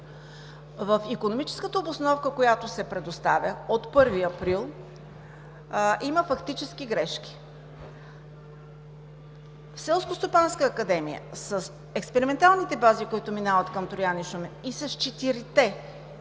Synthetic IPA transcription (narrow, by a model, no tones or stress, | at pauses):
vəfikonomit͡ʃɛ̥skət̪əobosnɔfkəkojat̪ʊsɛpɾɛd̪ost̪avʲəot̪pɤɾviɐpɾilˠ | iməfɐkt̪it͡ʃɛskiɡɾɛʃk̟ʲi̥ | fsɛlˠskost̪opanskəːkɐd̪ɛmḭjə̰səs | ɛkspɛɾimɛnt̪alˠnit̪ɛbazikoit̪ʊminavət̪kɐmt̪ɾojaniʃumɛisɐst͡ʃɛt̪iɾit̪ɛ